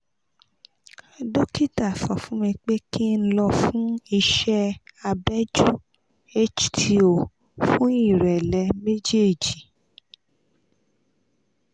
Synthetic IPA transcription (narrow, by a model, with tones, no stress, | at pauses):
do˦ki˦ta˦˨fɔ˨fũ˦mĩ˧k͡pe˦ki˦n̩˦lɔ˧fũ˦i˧ʃɛ˦a˧bɛ˦d͡ʒu˦ | e˦t͡ʃtʰi˨o˨ | fũ˦i˦˨ɾɛ˨lɛ˧˦me˦d͡ʒe˦˨d͡ʒi˨